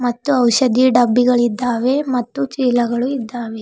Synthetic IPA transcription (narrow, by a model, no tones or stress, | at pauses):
mɐt̪ːuɐwʃɐd̪iɖɐbːiɡɐɭid̪ːaːʋe̞mɐt̪ːut͡ʃiːlɐɡɐɭuid̪ːaːʋe